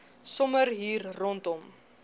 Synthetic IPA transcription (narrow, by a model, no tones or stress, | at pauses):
sɔmərɦiːrːɔntɔm